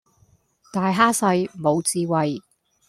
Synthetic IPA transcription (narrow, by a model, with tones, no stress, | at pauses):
t̪aː˨˧jɦaː˥sɐ˧jmo˨˧wt͡siː˧wɐ˨j